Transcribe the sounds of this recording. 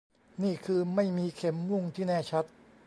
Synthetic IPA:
niː˥˩kʰɯː˧ma˥˩jmiː˧kʰe˧˩mmu˥˩ŋt̪ʰiː˥˩nɛː˥˩t͡ɕʰa˦˥t̪̚

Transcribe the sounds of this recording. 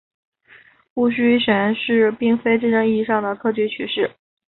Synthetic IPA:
pu˥˩ɕy˥ɕɛ˧˥nʂɻ̩˥˧pi˥˩ŋfe˥ɪʈ͡ʂɻ̩˥˧ʈ͡ʂɤ˥˧ŋi˥˧ʂɑ˥˩ŋd̪ə˩kʰɤ˥˧t͡ɕʰy˧˥t͡ɕʰy˧˥ʂɻ̩˥˩

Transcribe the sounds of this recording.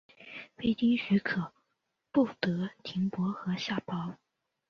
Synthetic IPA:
fe˥ɪt͡ɕi˥ŋɕy˧˥kʰɤ˨˩˦ | pu˥˩t̪ɤ˧˥t̪ʰi˧˥ŋpwɔ˧˥xɤ˧˥ɕja˥˩pɑ˥ʊ

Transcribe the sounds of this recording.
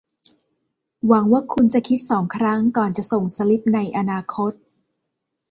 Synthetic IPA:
wa˩˦ŋwaː˥˩kʰu˧nt͡ɕa˨˩kʰi˦˥t̪̚sɔː˩˦ŋkʰɾa˦˥ŋkɔː˨˩nt͡ɕa˨˩so˨˩ŋsa˧li˦˥p̚na˧jʔa˧naː˧kʰo˦˥t̪̚

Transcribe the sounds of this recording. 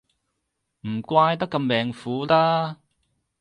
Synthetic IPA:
m̩˨˩kʷaː˧jt̪ɐ˥kːɐ˧mːɛː˨ŋfuː˨˥laː˥

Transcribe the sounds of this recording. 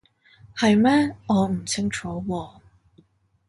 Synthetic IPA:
hɐ˨jmɛː˥ɔː˨˧m̩˨˩t͡sʰɪ˥ŋt͡ʃʰɔː˨˥wɔː˧

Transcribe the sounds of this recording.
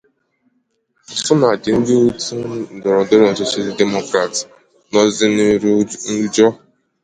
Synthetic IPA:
sʊ˦na˨dɪ˨n̩˦dɪ˦u˦tu˦˨dɔ˨ɾɔ˨dɔ˦ɾɔ˨sɔ˨˦sa˦li˦de˦mo˦kɾa˨t | nɔ˦zɪ˦ | n̩˦d͡ʒɔ˦

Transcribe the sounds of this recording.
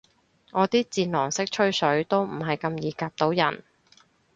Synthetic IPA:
ŋɔː˨˧t̪iː˥t͡siː˧nlɔː˨˩ŋsɪ˥k̚t͡ʃʰɵ˥ɥsɵ˨˥ɥt̪o˥wm̩˨˩ɦɐ˨jkɐ˧mjiː˨˥kaː˧p̚t̪o˨˥wjɐ̰˨˩n

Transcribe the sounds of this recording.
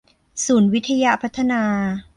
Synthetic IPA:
suː˩˦nwi˦˥t̪ʰːa˧ja˦˥pʰa˦˥t̪ʰːa˧naː˧

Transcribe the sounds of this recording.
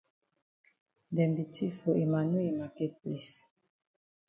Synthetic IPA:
dɛ˨mbi˨tʰi˦fo˨ʔe˨ma˨nu˦i˨ma˨kɛ˦t̚pli˦s

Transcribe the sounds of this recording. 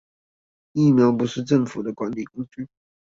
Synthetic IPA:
i˥˩mjɑ˧˥ʊp̬u˧˥ʂɻ̩˥˧ʈ͡ʂə˥˩ŋfu˨˩d̪ə˦kwa˦˥nli˨˩kʊ˥ŋt͡ɕy˥˩

